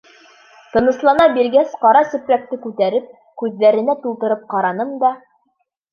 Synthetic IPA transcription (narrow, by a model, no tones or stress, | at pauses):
t̪ɤ̆nɤ̆slˠɑnɑbiɾɡæsqɑɾɑsɵ̆pɾæk̚t̪ɘkʉt̪æɾɘp̚ | kʉðːæɾɘ̆næt̪ulˠt̪ɤ̆ɾɤp̚qɑɾɑnɤmd̪ɑ